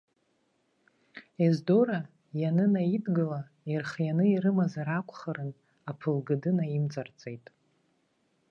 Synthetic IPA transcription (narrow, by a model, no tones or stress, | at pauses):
ezdoɾa | janɨnajidɡɨla | irχjanɨiɾɨmazaɾakʷʰʼχaɾɨn | apʰɨlɡɨdɨnaimt͡sʼart͡sʼe̞jtʼ